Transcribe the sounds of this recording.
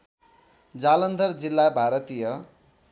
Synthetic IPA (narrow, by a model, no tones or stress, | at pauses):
d͡zalʌnd̪ʱʌrd͡zilːabʱaɾʌt̪ijʌ